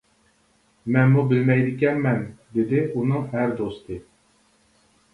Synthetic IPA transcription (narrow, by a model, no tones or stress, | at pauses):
mɛnmubɪlmɛjd̪ɪkʲɛmːɛnd̪ed̪ɪunɨŋæɾd̪ost̪ʰɨ